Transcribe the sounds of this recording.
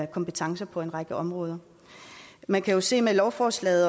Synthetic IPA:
kʰɒ̽mpət͡sʰɑ̈ŋsɐpʰɒ̽e̝nʁɑ̈ɡ̥əʔɒ̽mʁɔ̽ːðˠɐ | mænkʰæjo̝se̝̰ːmelɒʊfɒːslɛ̰ːð̩ˠ

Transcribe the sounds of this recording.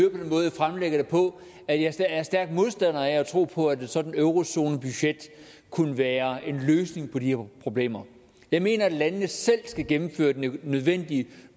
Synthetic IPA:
øɐpʰɒd̥enmɔ̽ːðˠfʁamleɡ̥ɐɾ̥epʰɒ̽ | æjɑ̈ɐ̥æɐsd̥æɐɡ̥d̥mo̝ð̞ˠsd̥æn̰ɐææt͡sʰʁo̝̰ːpʰɒ̽æd̥esɒ̽d̥n̩øʊʁo̝so̝ːnəb̥yɕed̥ | kʰunəʋæːɐe̝nløːsne̝ŋpʰɒ̽dihe̝ɐpʰʁo̝b̥le̝̰ːmɐ | jɑ̈ɪme̝̰ːnɐæd̥lænəːəsel̰sɡ̥æɡ̥emm̩fø̰ːɐd̥enøð̞ˠʋen̰d̥i

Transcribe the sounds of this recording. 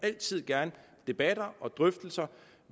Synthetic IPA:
æl̰t͡sʰið̞̰ˠɡ̥æɐnə | d̥e̝b̥æd̥ɐʔɒ̽d̥ʁœfd̥l̩sɐ

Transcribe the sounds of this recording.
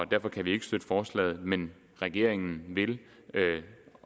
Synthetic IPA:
ɒ̽d̥æɐfɒ̽kʰæʋie̝ɡ̥əsd̥ød̥əfɒːslɛ̰ːð̞̩ˠmen | ʁɛɡ̥e̝ɐ̰eŋn̩ʋe̝l | ø

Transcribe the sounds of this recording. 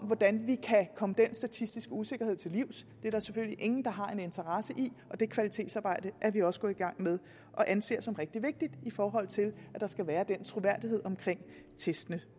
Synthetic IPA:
ɒmʋɒd̥ænʋikʰækʰɒ̽məd̥en̰sd̥æt͡sʰisd̥isɡ̥əuse̝ɡ̥ɐɦe̝ð̞̰ˠt͡sʰe̝liʊsd̥e̝æɐɾɑæɐseføl̰liʔe̝ŋn̩d̥ɑ̈ɦɑ̈e̝ne̝nt͡sʰɐʁɑ̈səʔiʔɒ̽d̥e̝kʰʋælit͡sʰe̝ːdsɑ̈ːb̥ɑ̈ɪ̰d̥əʔæɐʋiɒ̽səɡ̥ɔ̽iɡ̥ɑ̈ŋ̰með̞ˠ | ʔɒ̽ʔænse̝̰ːɐsɒ̽mʁeɡ̥̚d̥iʋe̝ɡ̥̚d̥id̥ifɒːɦɒ̽l̰t͡sʰe̝læd̥ɑ̈sɡ̥æʋæːɐd̥en̰t͡sʰʁuʋæɐ̰d̥ihe̝ð̞̰ˠɒ̽mkʰʁeŋ̰ | t͡sʰesd̥ənə

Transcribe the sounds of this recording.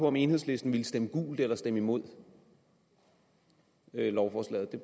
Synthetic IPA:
pʰɒ̽ɒ̽me̝ːnɦhesle̝sd̥n̩ʋilsd̥eməɡ̥ṵːld̥elɐsd̥eməimo̝ð̞̰ˠ | ølɒʊfɒːslɛ̰ːð̞̩ˠd̥e̝

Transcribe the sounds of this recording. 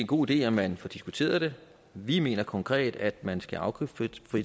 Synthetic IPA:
enɡ̥o̝̰ːid̥e̝̰ːæmænfɒ̽d̥isɡ̥ut͡sʰe̝̰ːɐðˠd̥e̝ | ʋime̝̰ːnɐkʰɒ̽ŋkʰʁɛ̰ːd̥æd̥mænsɡ̥æʔɑ̈ʊkʰybfi

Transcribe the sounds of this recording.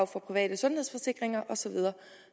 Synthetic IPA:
ʊfɒ̽pʰʁiʋɛ̰ːd̥əsɔ̽nheð̞̰ˠsfɒ̽se̝ɡ̥ʁeŋɐʔɒ̽sɒ̽ʋið̞ˠɐː

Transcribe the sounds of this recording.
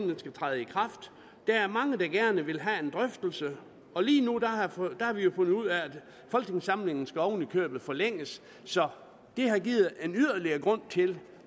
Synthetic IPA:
nəsɡ̥æt͡sʰʁað̩ˠikʰʁɑ̈fd̥ | d̥ææɐmɑ̈ŋəd̥ɑ̈ɡ̥æɐnəʋe̝lɦæe̝nd̥ʁœfd̥l̩sə | ɒ̽liːnud̥æhɑd̥ɑhɑ̈ʋijo̝fɔ̽n̰ð̩ˠuð̞̰ˠææd̥ | fɒ̽lɡ̥ʰe̝ŋsɑ̈mle̝ŋn̩sɡ̥æɒʊn̩ikʰø̰ːb̥ð̞̩ˠfɒ̽leŋ̰əsː | ɒ̽ | d̥e̝ɦɑ̈ɡiːð̩ˠe̝nyð̰ˠɐliɐːɡ̥ʁɔ̽n̰t͡sʰe̝l

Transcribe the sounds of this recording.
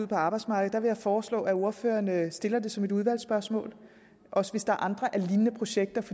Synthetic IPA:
uð̰ˠpʰɒ̽ɑ̈ːb̥ɑ̈ɪ̥smɑ̈ːɡ̥ð̩ˠd̥ɑʋe̝jɑ̈ɪfɒːslɔ̰̽ːæo̝ɐfø̰ːɐnəsd̥e̝lɐd̥e̝sɒ̽me̝d̥uð̞ˠʋæl̰sb̥ɶɐsmɔ̰̽ːl | ʔɒ̽səʋe̝sd̥ɑ̈æɐʔɑ̈nd̥ʁɐʔæɐliːnənəpʰʁo̝ɕeɡ̥̚d̥ɐfɒ̽

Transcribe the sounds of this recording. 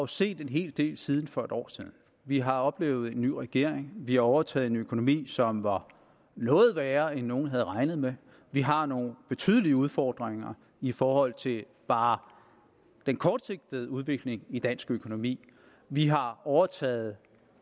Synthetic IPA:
ɑjo̝se̝̰ːd̥e̝nɦe̝̰ːld̥e̝̰ːlsið̞ˠn̩fɒ̽e̝ɾ̥ɒ̰ːsiðˠn̩ | ʋiɦɑ̈ɒ̽b̥le̝̰ːʊð̞̩ˠe̝nːy̰ːʁɛɡ̥e̝ɐ̰eŋʋihɑ̈ɒʊɐt͡sʰɛ̰ːð̩ˠenøkʰo̝no̝mḭːsɒ̽mʋɑ̈ | nɔ̽ːð̩ˠʋæːɐenːo̝ːn̩ɦæð̞ˠʁɑ̈ɪnð̩ˠme | ʋiɦɑ̈no̝ːn̩b̥e̝t͡sʰy̰ːð̞ˠəliəuð̞ˠfɒːd̥ʁeŋɐ | ifɒːhɒ̽l̰t͡sʰe̝l | b̥ɑ̈ː | d̥enkʰɒːd̥se̝ɡ̥̚d̥əð̩ˠuð̞ˠʋe̝ɡ̥le̝ŋid̥æn̰sɡ̥økʰo̝no̝mḭː | ʋiɦɑ̈ɒʊɐt͡sʰɛ̰ːð̞̩ˠ

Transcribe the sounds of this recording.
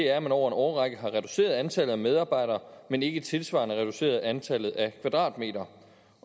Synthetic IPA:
e̝æɐæmænɒʊ̰ɐe̝nɒʊɐʁɑɡ̥əɦɑ̈ʁɛd̥u̥se̝̰ːɐð̞ˠænt͡sʰælð̩ˠæmeð̞ˠɑ̈ːb̥ɑ̈ɪ̰ɾ̥ɐːmene̝ɡ̥ət͡sʰe̝lsʋɑ̰̈ːnəʁɛd̥use̝̰ːɐð̞̩ˠænt͡sʰælð̩ˠækʰʋæd̥ʁɑ̰̈ːd̥me̝̰ːdɐ

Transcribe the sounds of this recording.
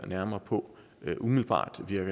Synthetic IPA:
næɐmɐːpʰɔ̽ | ʔumiðlb̥ɑ̰̈ːd̥ʋiɐɡ̥ə

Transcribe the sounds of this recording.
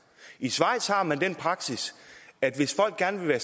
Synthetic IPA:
isʋɑ̈ɪ̰d̥shɑ̈ːmænd̥enpʰʁɑ̈ɡ̥sisæd̥ʋe̝sfɒ̽l̰ɡ̥ɡ̥æɐnəʋe̝ʋæːɐ

